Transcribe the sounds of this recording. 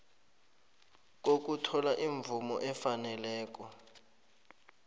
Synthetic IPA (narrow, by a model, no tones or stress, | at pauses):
k̬ok̬utʰɔlaʔiɱb̪vumɔʔɛfanɛlɛːk̬ɔ